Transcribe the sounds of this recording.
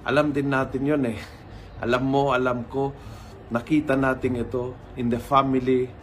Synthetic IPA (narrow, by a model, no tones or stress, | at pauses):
ʔɐ̰lamd̪ɪnːaːt̪ɪnjonɛ | ʔɐ̰lamːoɐlamko | nɐkiːt̪anaːt̪ɪŋɪt̪o | ɪnd̪ɛfamɪli